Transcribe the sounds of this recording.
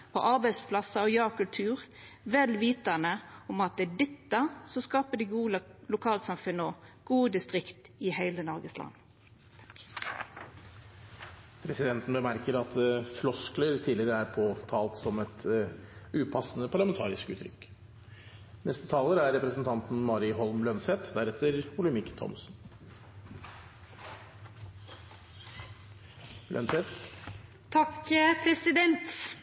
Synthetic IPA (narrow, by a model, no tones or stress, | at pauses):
pʰɔ̰ʔɑʁbæɪspʰlɑsəɔjɑːkʰʉlt̪ʰʉːʁʋɛlʋiːt̪ɑnəɔmɑt̪̚d̪ɛd̪ɛt̪ːəsɔskɑːpəd̪iɡuːlʊkʰɑːlsɑmfʉnəɔɡ̥uːəd̪ɪst̪ʁɪkt̪ɪhæɪlənɔɾɡəslɑ̰nː | pʰɾɛsɪd̪ɛnt̪n̩bəmæɾkəɾɑt̪flɔskləɾt̪ʰiːlɪəɾəæɾpʰoːt̪ʰɑːlt̪sɔmɛt̪ | ʉːpʰɑsːn̩əpʰɑɭɑmɛnt̪ʰɑ̰ːɾɪ̰skʉ̰ːt̪ʰɾʏ̰kː | nɛst̪ət̪ʰɑːləɾæɾɛpɾəsn̩t̪ʰɑnt̪n̩mɑːɾɪɦɔlmlœnsɛt̪d̪æɾɛt̪ʰːəɾpʰʊləmɪkːt̪ʰɔ̰msn̩ | lœ̰nsɛt̪ | t̪ʰɑkpʰɾɛsɪd̪ɛnt̪